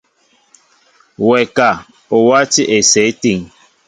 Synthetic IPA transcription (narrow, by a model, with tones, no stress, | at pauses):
wɛ˨ka˨ | o˨wa˦ti˦ʔe˨sɛ˨˦ti˦˨ŋ